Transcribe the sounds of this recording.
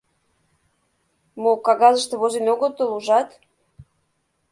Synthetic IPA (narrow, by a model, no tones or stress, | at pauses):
mokɑɣɑzəʃt̪ĕβozenoɣot̪ːoluʒɑt̪